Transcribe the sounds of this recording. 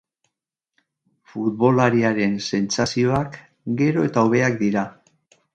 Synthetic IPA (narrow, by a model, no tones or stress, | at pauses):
fut̪̚βo̞laɾiaɾe̞nse̞nt͡sasio̞ak | ɡe̞ɾo̞e̞t̪aoβ̞e̞akd̪iɾa